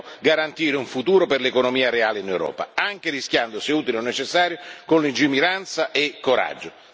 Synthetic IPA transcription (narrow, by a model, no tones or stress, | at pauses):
ɡaɾant̪iːɾeuɱfut̪uːɾoperlekonomiːaɾeaːleinewɾɔ̰ːpa̰aŋk̟eriskʲjand̪oseuːt̪ileonːet͡ʃesːaːɾjokonlind͡ʒimiɾant̪saʔekːoɾa̰d͡ʒːʊ